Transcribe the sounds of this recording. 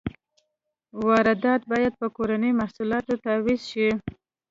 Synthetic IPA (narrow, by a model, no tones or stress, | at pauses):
wɑɾad̪ɑt̪̚bɑjad̪̚pəkoɾanəjmahsulɑt̪ot̪awizʃi